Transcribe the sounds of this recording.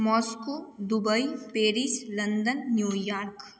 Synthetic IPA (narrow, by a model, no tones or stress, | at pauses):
mɔːskoːd̪ʊbəipeːɾislɐ̃nd̪ənːjuːjaːɾk